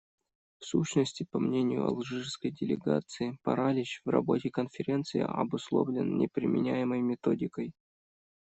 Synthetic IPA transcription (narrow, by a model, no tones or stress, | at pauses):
fsuɕnəsʲtʲɪpɐmnʲenʲɪjʊ̰ɐ̰lˠʐɨʐskəjdʲɪlʲɪɡa̰t̪sɨɪpɐ̰ɾalʲɪɕvrɐ̰bo̞tʲɪkənfʲɪɾʲe̞nt̪sɨjɪ̰ɐ̰bʊslˠo̞vlʲɪnnʲʔɪpɾʲɪmʲɪnʲæjɪməjmʲɪt̪o̞dʲɪkəj